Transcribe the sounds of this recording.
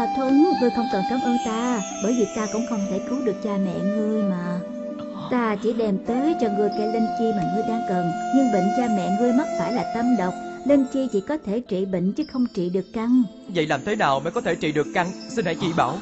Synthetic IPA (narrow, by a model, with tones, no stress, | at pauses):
a˨˩t̪ʰwɨ˧ŋŋɨ˧əjxə˧wŋ͡mkə˨˩nkaː˨˦mʔə˧nt̪aː˧ɓəː˧˩jvi˨˩t̪aː˧kʊ̰˧˥ŋ͡mxə˧wŋ͡mt̪ʰe˧˩kɨ˨˦wɗɨ˨˩ək̚t͡ɕaː˧mɛ̰˧˨ŋɨ˧əjmaː˨˩ | t̪aː˧t͡ɕi˧˩ɗɛ˨˩mt̪əː˨˦jt͡ɕɔ˧˩ŋɨ˨˩əjkɛ˧˩lə˧nt͡ɕi˧maː˨˩ŋɨ˧əjɗaː˧ŋkə˨˩nɲɨ˧ŋɓə̰˧˨ŋ̟t͡ɕa˧mɛ̰˧˨ŋɨ˧əjma˦˥t̚faː˧˩jlaː˨˩t̪ə˧mɗə˨˩wk͡p̚li˧nt͡ɕi˧t͡ɕi˧˥kɔ˨˦t̪ʰe˧˩t͡ɕḭ˧˨ɓə̰˧˨ŋ̟t͡ɕɨ˨˦xə˧wŋ͡mt͡ɕḭ˧˨ɗɨ˨˩əkːa˧ŋ | və̰˧˨jlaː˨˩mt̪ʰe˨˦naː˨˩wmə̰ː˧˥jkɔ˨˦t̪ʰe˧˩t͡ɕḭ˧˨ɗɨ˨˩əkːa˧ŋsi˧nha̰˧˦jt͡ɕḭ˧˩ɓaː˧˩w